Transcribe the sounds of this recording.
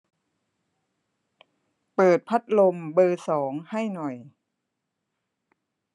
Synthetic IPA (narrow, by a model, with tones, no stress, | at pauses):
pɤː˨˩t̪̚pʰa˦˥t̪̚lo˧mbɤː˧sɔː˩˦ŋha˥˩jnɔ˨˩j